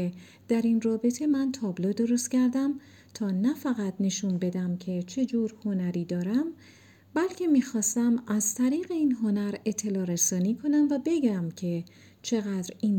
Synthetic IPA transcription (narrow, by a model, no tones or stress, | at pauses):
e | d̪̥æɾinrɒːbe̞t̪ʰe̞mænt̪ʰɒːblod̪o̞ɾost̪cʰæɾd̪æm | t̪ʰɒːnæfæɣæt̪ne̞ʃunbe̞d̪æmcʰe̞t͡ʃʰe̞d͡ʒuːɾho̞næɾiːd̪ɒːɾæm | bælcʰe̞miːxɒːst̪æmæzt̪ʰæɾiːɣe̞iːnɦo̞næɾe̞t̪ʰːe̞lɒːɾesɒːniːkʰo̞næmvæbe̞ɟæmcʰe̞ | t͡ʃʰe̞ɣæd̪ɾiːn